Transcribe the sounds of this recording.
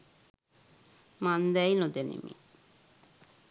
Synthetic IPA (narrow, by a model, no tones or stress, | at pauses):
mand̪ɛjnod̪enḭmḭ